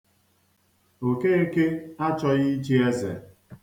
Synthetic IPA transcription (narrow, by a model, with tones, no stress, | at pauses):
o˨ke˦e˦ke˦a˦t͡ʃɔ˦ɣɪ˦t͡ʃi˦e˦zḛ˨